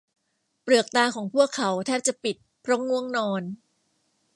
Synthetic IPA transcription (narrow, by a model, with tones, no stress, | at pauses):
pɾɯ˨˩ək̚t̪aː˧kʰɔː˩˦ŋpʰu˥˩əkʰːa˩˦wt̪ʰɛː˥˩p̚t͡ɕa˨˩pi˨˩t̪̚pʰɾɔ˦˥ŋu˥˩əŋnɔː˧n